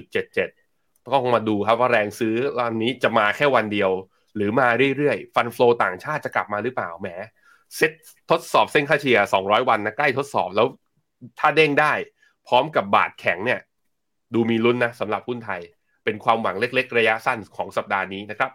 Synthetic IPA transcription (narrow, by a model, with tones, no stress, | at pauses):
t͡ɕu˨˩t̪̚t͡ɕe˨˩t̪̚t͡ɕe˨˩t̪̚ | kɔː˥˩ko˧ŋmaː˧duː˧kʰa˦˥p̚waː˥˩ɾɛː˧ŋsɯː˦˥la˧nːiː˦˥t͡ɕa˨˩maː˧kʰɛː˥˩wa˧ndi˧əw | ɾɯː˩˦maː˧ɾɯ˥˩əjɾɯ˥˩əjfa˧nfloː˧t̪aː˨˩ŋt͡ɕʰaː˥˩t̪̚t͡ɕa˨˩kla˨˩p̚maː˧ɾɯ˦˥pla̰ː˨˩wmɛː˩˦˥ | se˦˥t̪̚ʰːo˦˥t̪̚sɔː˨˩p̚se˥˩nkʰaː˥˩t͡ɕʰi˧ɐsɔː˩˦ŋɾɔː˦˥jwa˧nːa˦˥kla˥˩jt̪ʰo˦˥t̪̚sɔ̰ː˨˩p̚lɛː˦˥w | t̪ʰaː˥˩deː˥˩ŋdaː˥˩j | pʰɾɔː˦˥mka˨˩p̚ba̰ː˨˩t̪̚kʰɛ˨˩˦ŋni˥˩ɐ | duː˧miː˧lu˦˥nːa˦˥sa˩˦mɾa˨˩p̚hu˥˩nt̪ʰa˧j | pe˧nkʰwaː˧mwa˩˦ŋle˦˥k̚le˦˥k̚ɾa˧ja˦˥sa˥˩nkʰɔː˩˦ŋsa˨˩p̚daː˧niː˦˥na˦˥kʰɾa˦˥p̚